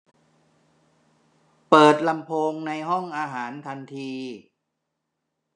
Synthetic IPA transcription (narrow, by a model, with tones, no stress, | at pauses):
pɤː˨˩t̪̚la˧mpʰoː˧ŋna˧jɦɔ˥˩ŋʔaː˧ɦaː˩˦nt̪ʰa˧nt̪ʰiː˧